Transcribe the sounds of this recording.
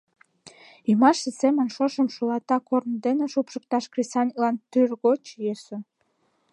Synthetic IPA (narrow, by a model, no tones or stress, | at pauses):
imɑʃəsemə̆nʃoʃəmʃulɑt̪ɑkornd̪eneʃupʃək̚t̪ɑʃkrisɑnʲlɑnt̪yrɣot͡ɕjeso